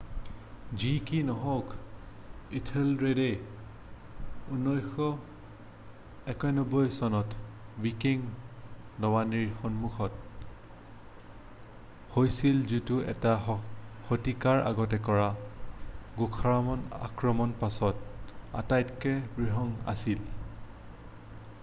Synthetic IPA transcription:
zikinɔɦɔk | itʰelɹedej | unːɔjxɔ | ɛkɔjnɔbɔjsɔnɔtwikiŋ | lɔwaniɹxɔnmuxʰɔt̚ | hojsilzutuɛ̰taxotikaɹʔa̰ɡɔtɛkɔɹa | ɡukʰaɹamɔna̰kɹɔmɔnpasɔta̰tajtkɛbɹiɦɔŋa̰sil

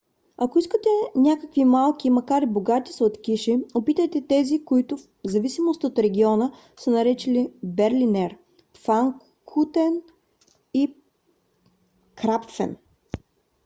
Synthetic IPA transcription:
ɐkoiskət̪ɛnʲakəkvimalˠk̟ʲimɐkaɾiboɡat̪i̥sot̪kʲiʃiopit̪əjt̪ɛt̪ɛzikoit̪ʊf | zɐvisimost̪əot̪ɾɛɡʲiɔnə | sənɐɾɛt͡ʃilibɛɾlʲinɛɾ | faŋk | kʰut̪ɛn | i | kɾapfɛ̰n

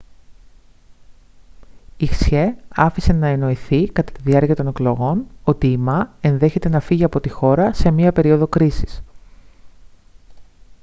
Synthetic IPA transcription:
ixsçeɐfise̞nɐeno̞iθikɐt̪ɐ̥t̪iðiɐɾciɐt̪o̞ne̞klo̞ɣo̞no̞t̪iːmɐe̞nðe̞çe̞t̪e̞nɐfiʝiɐpo̞t̪ixo̞ɾɐse̞mɲiɐpe̞ɾio̞ðo̞kɾisi̥s

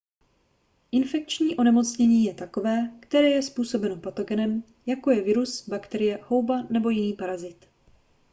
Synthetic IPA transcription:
ʔɪnfɛk̚t͡ʃɲiːʔo̞nɛmo̞t͡sɲɛɲiːjɛt̪ako̞vɛːkt̪ɛɾɛːjɛspuːso̞bɛnopat̪o̞ɡɛnɛm | jako̞jɛvɪɾusbakt̪ɛɾɪjɛho̞wbanɛbo̞jɪniːpaɾazɪt̪

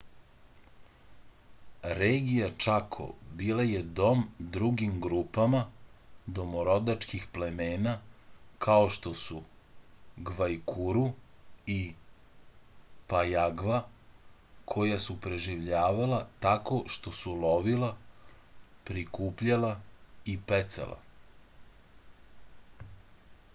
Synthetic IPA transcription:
ɾeːɡijat͡ʃakʰo̰biːlaje̞d̪o̞md̪ɾuɡimɡɾuːpamad̪o̞moɾo̞d̪at͡ʃkixple̞me̞ːnakʰaoʃt̪o̞su | ɡʋajkʰuɾui | pajaɡʋa | kʰo̞jasupɾe̞ʒiʋʎaːʋalat̪ako̞ʃt̪o̞sulo̞ʋila | pɾikuːpʎalaipet̪sḛlʔa̰

